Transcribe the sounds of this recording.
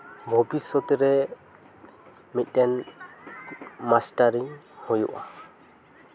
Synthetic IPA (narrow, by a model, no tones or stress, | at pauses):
bʱɔbisɔt̪ɾɛ | mit̪̚ˀɛn | masʈaɾiŋ | hujṵʔa